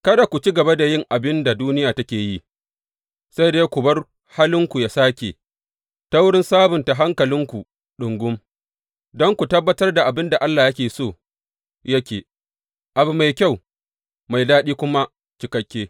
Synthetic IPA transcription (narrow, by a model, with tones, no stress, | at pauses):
kɐ˦da˨kʷu˨t͡ʃi˦ɡɐ˨ba˦da˨jɪ˦ŋʔa˨bɪ˦nda˨duː˦nɪ˦jaː˨tɐ˦kʲeː˨ji˦ | sa˦jdeː˦kʷʊ˨bɐ˦r | haː˦lɪ˦ŋkʷu˨jaː˨˦saː˦kʲḛː˨ | ta˦wʊ˦ɽɪ˦nsaː˦bʊ˨nta˨ɦa˦ŋkɐ˨lɪ˦ŋkʷu˨ | ɗʊ˨ŋɡʷʊ˦m | dɔ˦ŋkʷu˨tɐ˦bːɐ˦tɐ˦rda˨ʔa˨bɪ˦nda˨ʔa˦lːaː˨jɐ˦kʲeː˨soː˦˨ | jɐ˦kʲeː˨ | ʔa˨bʊ˨ma˨jkʲa˦˨w | ma˨jdaː˦ɗiː˦kʷʊ˦ma˦ | t͡ʃɪ˦kɐ˦kʲːeː˦